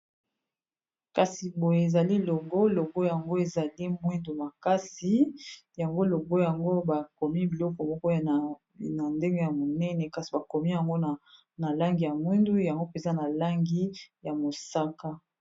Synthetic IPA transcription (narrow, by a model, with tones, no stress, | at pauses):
ka˨si˨bo˨je˨e˨za˨li˦lo˨ɡo˦lo˨ɡo˦ja˨ŋɡo˦e˨za˨li˦mwi˦ndu˨ma˨ka˦si˨ja˨ŋɡo˦lo˨ɡo˦ja˨ŋɡo˦ba˨ko˨mi˦bi˨lɔ˦kɔ˨mɔ˦kɔ˦j | na˨nde˦ŋɡe˦ja˨mo˨nɛ˦nɛ˨ka˨si˨ba˨ko˨mi˦ja˨ŋɡo˦n˨ | na˨la˦ŋɡi˨ja˨mwi˦ndu˦ja˨ŋɡo˦pe˨nza˦na˨la˦ŋɡi˦ja˨mo˨sa˦ka˦